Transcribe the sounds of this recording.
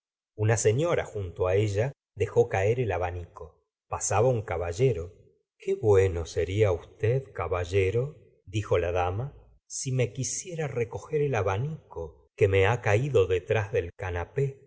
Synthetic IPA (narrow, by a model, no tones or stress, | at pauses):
unase̞ɲjo̞ɾa̰xunt̪oaeʒa | ðexo̞kaeɾe̞laβaniko̞ | pasaβauŋkaβaʒe̞ɾo̞ | kʰeβwe̞no̞se̞ɾiaust̪eðkaβaʒeɾo̞ | ðixo̞laðama | sime̞kisje̞ɾareko̞xe̞ɾelaβaniko̞ | ke̞meakaiðo̞ðe̞t̪ɾazðe̞lkanape̞